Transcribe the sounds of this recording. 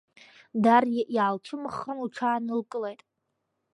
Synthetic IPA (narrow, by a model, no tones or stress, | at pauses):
darʔiaalʈ͡ʂʷʰɨmɨχːanuʈ͡ʂʰaːnɨlkʼɨlejtʼ